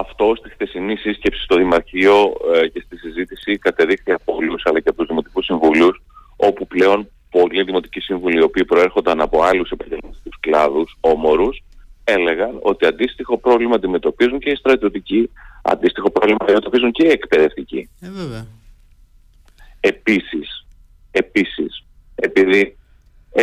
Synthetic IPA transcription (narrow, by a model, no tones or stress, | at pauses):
ɐft̪oost̪ixθe̞sinisisce̞psi̥st̪o̞ðimɐɾçio̞ce̞st̪isizit̪isikɐt̪e̞ðixniɐpolusɐlɐceɐpouzðimo̞t̪ikusiɱvulus | o̞puple̞o̞n | po̞liðimo̞t̪icisiɱvuliːo̞piːpɾo̞e̞ɾxo̞nd̪ɐnɐpo̞ɐlusepɐɲɟelmɐt̪i̥k̪usklɐðuso̞mo̞ɾuse̞le̞ɣɐno̞̰t̪iɐnd̪ist̪ixo̞pɾo̞vlimɐnd̪ime̞t̪o̞pizuɲceist̪ɾɐt̪io̞t̪iciɐ̰nd̪ist̪ixo̞pɾovlimɐd̪ime̞t̪o̞pizunceie̞kpe̞ðe̞ft̪ici | e̞pisis | e̞pisis | e̞piði